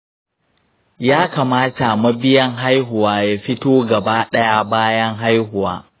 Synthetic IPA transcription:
jaː˦kaː˨maː˦ta˨mɐ˦bɪ˦jɐ˦ŋɦa˦jɦʊ˨waː˦ja˨ɸɪ˦toː˦ɡɐ˨baː˦ɗɐ˦ja˨baː˦jɐ˦ŋɦa˦jɦʊ˨waː˦

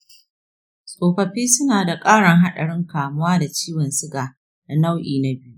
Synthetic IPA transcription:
sʼoː˨ɸɐ˨ɸiː˦sʊ˦naː˨da˨kʼaː˦ɽɐ˨ŋɦa˦ɗɐ̰˨ɽɪ˦ŋkaː˨mʊ˦waː˦da˨t͡ʃiː˦wɐ˨nsɪ˦ɡaː˨ | na˨na˦wʔiː˨na˦bɪ˦ju˦ʔ

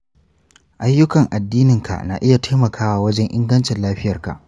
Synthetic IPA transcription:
ʔa˦jːʊ˦kɐ˨ŋʔa˨dːiː˦nɪ˨ŋkʰa̰˨ʔna̰ː˨ʔɪ˦ja˨tʰa˦mɐ˨kʰaː˦waː˨wɐ˦d͡ʒɛ˦ŋʔɪ˦ŋɡɐ˦nt͡ʃɪ˨nlaː˦ɸɪ˦jɐ˨rka̰˨ʔ

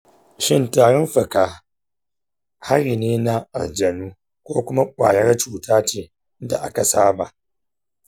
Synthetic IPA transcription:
ʃɪ˦ntaː˨ɽɔ˦mɸɐ˨kaː˨ | ha˦ɾiː˨neː˦na˦ʔa̰˨ld͡ʒɐ˨nuː˦ | kʷoː˦kʷʊ˦ma˦kʷʼa̰ː˨jɐ˦rt͡ʃuː˨taː˦t͡ʃeː˨˦ | da̰˨ʔa̰˦ka˨saː˦ba˨ʔ

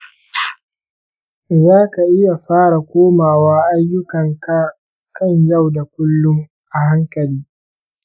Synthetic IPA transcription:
zaː˦ka˨ʔɪ˦ja˨ɸaː˦ɽa˨kʷoː˦maː˨waː˦ʔa˦jːʊ˦kɐ˨ŋk | kɐ˦nja˦˨wda˨kʷʊ˦lːʊ˦ŋ | ʔa˨ha˦ŋkɐ˨liː˦

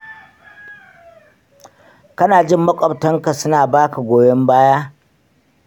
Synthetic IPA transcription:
kɐ˦naː˨d͡ʒɪ˦˨mːɐ˦kʷʼɔ˨btɐ˦ŋka˨sʊ˦naː˨baː˦ka˨ɡʷoː˨jɔ˦mbaː˦jaː˦

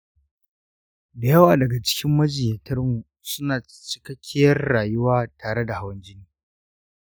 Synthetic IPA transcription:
da˨jɐ˦waː˨dɐ˨ɡa˨t͡ʃɪ̥˦kʲɪ˦mːɐ˦d͡ʒɪ˨jɐ˨tʰɐ˦rmu˨ | sʊ˦naː˨ | t͡ʃɪ̥˦kɐ˦kʲʰːɪ˦jɐ˦rːaː˨jʊ˦waː˦taː˨ɽe˦da˨ha˦wɐ˦nd͡ʒɪ˦niː˦

